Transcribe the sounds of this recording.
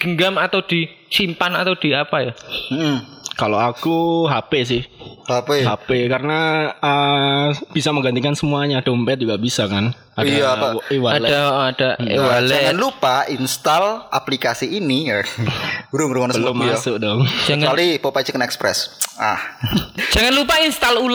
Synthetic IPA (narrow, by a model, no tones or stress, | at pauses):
ɡ̥əŋɡamat̪awd̥i | simpanat̪awd̥iapajam̩m̩kaloakuɦapes̬ɪhhapehapekaɾənaə | b̥isaməŋɡant̪ikansəmuaɲad̥ompɛt̪̚d͡ʒuɡaʔbisakan | adiaaiwaalɛaɔʔɔad̥aiwald͡ʒaanlupainst̪alʔaplikasiːnijḁ | ɾʊŋɾuŋanbəlʊmːasʊk̚dɔŋd͡ʒaŋaalipopat͡ʃəkənɛkspɾɛ̰sahd͡ʒaŋanlupainst̪alul